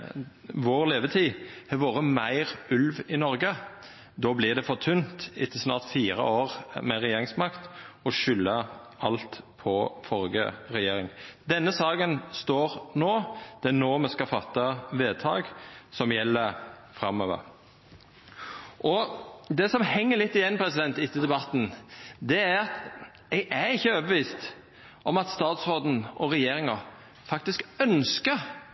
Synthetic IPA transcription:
ʋoːʁleːʋət̪ʰiːhɛʋoːʁəmæɪʁʉlʋɪnɔɾɡə | d̪oːblɪd̪ɛfɔʁt̪ʰʉnt̪ɪt̪ʰːəsnɑːʁt̪fiːɾə̰ʔoːɾmɛʁɛjeːɾɪŋsmɑkt̪ɔʃʏlːə | ɑlt̪pʰɔfɔɾɡə̰ʁɛjeːɾɪŋd̪ɛnːəsɑːɡənst̪oːʁnoːd̪̥ɛænoːmɛskɑfɑt̪ːɑʋeːt̪ʰɑ̰ːɡsɔmjɛlːəɾfɾɑmːøːʋə̰ɾ | ʔɔd̪ɛsɔmhɛŋːəɾlɪt̪ːɪjɛnːpʰɾɛsɪd̪ɛnt̪ɪt̪ːəd̪ɛbɑt̪ːn̩d̪ɛæɾɑt̪ | ɛɡʔæɾɪçːəoːbəʋiːst̪ | ʔɔmɑt̪st̪ɑːt̪sɾoːd̪n̩ʔɔɾɛjeːɾɪŋɑ | fɑk̚t̪ɪskœnskəɾ

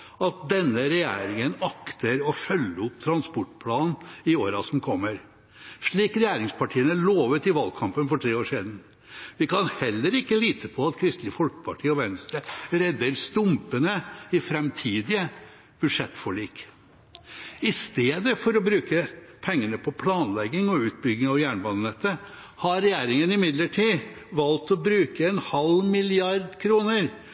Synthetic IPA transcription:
ɑt̪̚d̪ɛnːəɾɛjḛːɾɪŋənɑkt̪əɾɔfœlːəʊp̚t̪ʰɾɑnspɔʈːpʰlɑːnnɪoːɾɑsɔmkʰɔmːəɾ | ʂɭiːkɾɛjæːɾɪŋspʰɑʈʰiːənæɭoːʋət̪ɪʋɑlkʰɑmpənfɔʈʰɾeːoːʂiːd̪n̩ | ʋɪkʰɑnhɛlːəɾɪkːəliːt̪ʰəpʰɔɑt̪kʰɾɪst̪lɪəfɔlkə̥pʰɑʈʰiːɔʋɛnst̪ɾəɾɛd̪ːəɾst̪ʊmpənəɪfɾɛmt̪ʰiːd̪ɪə | b̥ʉd̪ʂɛt̪ːfɔɭiːk | ɪst̪eːd̪əfɔɾɔbɾʉːkəpʰɛŋːəɳəpʰɔpʰlɑːnlɛɡːɪŋɔʉːt̪̚bʏɡɪŋɑʋjæːɳbɑnnɛt̪ːə | hɑɾɛjæːɾɪŋənɪmɪd̪ləʈʰiː | ʋɑlt̪ɔbɾʉːkəɛnhɑlmɪlɪɑɾd̪kʰɾuːnəɾ

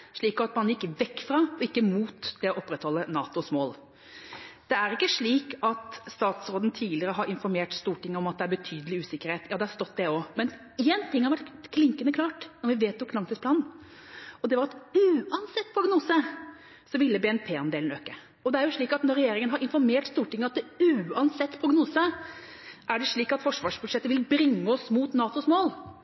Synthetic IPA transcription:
ʂɭiːkɔɑt̪mɑnjɪkːʋɛkːfɾɑɔɪkːəmuːt̪d̪ɛɔʔɔpːɾɛt̪hɔlːənɑːt̪ʊsmoːl | d̪̥ɛæɾɪkːəʂɭiːkɑt̪st̪ɑːt̪sɾoːd̪nt̪ʰiːlɪəɾəɦɑɾɪnfɔɾmeːʈst̪uːʈɪŋːəɔmɑt̪̚d̪ɛæɾbət̪ʰyːd̪əlɪʉːsɪkːəɾheːt̪ʰjɑːd̪ɛhɑɾʂt̪ɔt̪ːd̪ɛɔmɛn | eːnt̪ʰɪŋhɑɾʋæʈkʰlɪŋkənəkʰlɑːʈnɔɾʋɪʋeːt̪ʊkʰlɑŋt̪ɪspʰlɑːnn̩ | ɔd̪ɛʋɑɾɛt̪ʉːɑnsɛt̪ːpʰɾʊɡnuːsə | sɔʋɪlːəbɛːɛnpʰeːɑnd̪eːln̩øːkːə | ɔd̪ɛæɾjʊʂɭiːkɑt̪nɔɾɛjeːɾɪŋənɦɑɾɪnfɔɾmeːʈst̪uːʈɪŋːəɑt̪̚d̪ɛʉːɑnsɛt̪ːpʰɾʊɡnuːsə | ʔæɖɛʂɭiːkɑt̪fɔʂʋɑːʂbʉd̪ʂɛt̪ːəʋɪlbɾɪŋːəɔsmuːt̪nɑːt̪ʊsmoːl

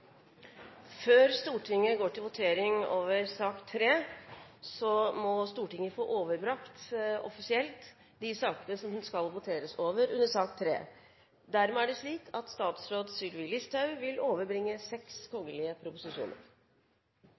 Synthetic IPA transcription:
føːɾst̪uːʈʰɪŋːəɡoːʈʰɪlʋʊt̪ʰeːɾɪŋoːʋəɾsɑːkt̪ʰɾeː | sɔmɔst̪uːʈɪŋːəfo̰ːʔoːʋəɾbɾɑkt̪ɔfɪsɪɛlt̪ | d̪ɪsɑːkənəsɔmhʉnskɑlʋʊt̪ʰeːɾəsoːʋəɾʉnːəsɑːkt̪ʰɾḛː | d̪æɾmɛæɖɛʂɭiːkʰɑt̪st̪ɑːt̪sɾoːd̪sʏlʋɪlɪst̪ʰɑʉʋɪloːʋəɾbɾɪŋːəsɛkskʰɔŋːəlɪəpʰɾʊpʊsɪʂṵːnə̰ɾ

